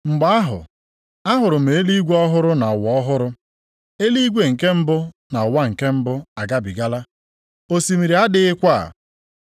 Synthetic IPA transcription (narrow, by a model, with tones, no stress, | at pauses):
ŋ͡m̩˨ɡ͡ba˦a˦ɦʊ̰˨ | a˦ɦʊ˨ɾʊ˨m̩e˨e˦li˦ɡʷe˦ɔ˦ɦʊ˦ɾʊ˦na˨wɔ˨ɔ˦ɦʊ˦ɾʊ˦ | e˦li˦ɡʷe˦ŋ̩˨ke˦m̩˦bʊ˦na˨wa˦ŋ̩˨ke˦m̩˦bʊ˦a˨ɡa˦bi˨ɡa˦la˦ | o˦si˨mi˨ɾi˨˦a˦dɪ˦ɪ˦kʷa˦a̰˨